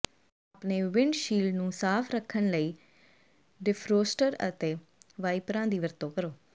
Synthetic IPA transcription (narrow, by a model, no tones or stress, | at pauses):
aːpɳeːʋɪɳɖʃiːlnũːsaːpʰɾəkʰːənləiː | ɖɪpʰɾoːsʈəɾə̰t̪eːʋaːiːpɾãːd̪iːʋəɾt̪õːkəɾoː